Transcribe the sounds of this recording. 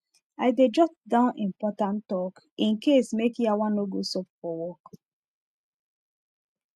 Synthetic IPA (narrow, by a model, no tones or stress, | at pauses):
aɪded͡ʒɔp̚dãʊ̃nĩmpɔtãntɔk | ĩnkesmekjawãnːoɡosɔpfɔwɔk